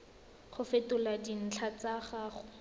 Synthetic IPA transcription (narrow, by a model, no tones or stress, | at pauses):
χʊfetʊladin̩t͡ɬʰat͡saχaːχʊ